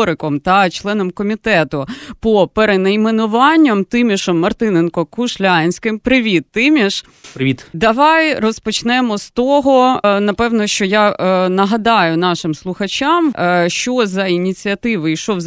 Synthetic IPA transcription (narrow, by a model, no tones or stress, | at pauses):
ɾɪkɔmt̪ɐt͡ʃlˠɛnɔmkɔmʲit̪ɛt̪ʊpɔpeɾenɐjmenʊʋɑnʲːɐmt̪ɪmʲiʃɔmːɐrt̪ɪnenkɔkʊʃlʲanʲsʲkɪmpɾɪʋʲit̪ːɪmʲiʃ | pɾɪʋʲit̪d̪ɐʋɑjrɔspɔt͡ʃnɛmɔst̪ɔɦɔnɐpɛʋnɔʃt͡ʃɔjanɐɦɐd̪ɑjʊnɑʃɪmslˠʊxɐt͡ʃʲɑmʃt͡ʃɔzɐinʲit͡sʲiɐt̪ɪʋɪjʃɔz